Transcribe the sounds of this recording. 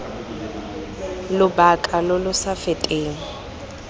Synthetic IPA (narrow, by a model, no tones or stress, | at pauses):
lʊbakʼalʊlʊsafɪtʼeːŋ̩